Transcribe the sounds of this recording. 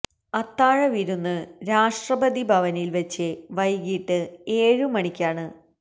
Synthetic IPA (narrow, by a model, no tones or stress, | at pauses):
ɐt̪ːaːɻɐʋiɾunːɨɾaːʂʈrɐbɐd̪ibʱɐʋɐnilʋet͡ɕːɨʋɐjɡiːʈːɨeːɻɨmɐɳikʲːaːɳɨ